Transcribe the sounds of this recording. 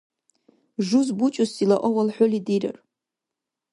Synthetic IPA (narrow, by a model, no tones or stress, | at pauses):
ʐuzbut͡ʃʼʊsilaʔʷɔwalħʷʊlidiɾɐ̰r